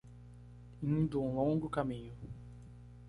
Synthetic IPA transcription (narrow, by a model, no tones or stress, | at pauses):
inũd̪oũlõŋɡʊkamĩɲʊ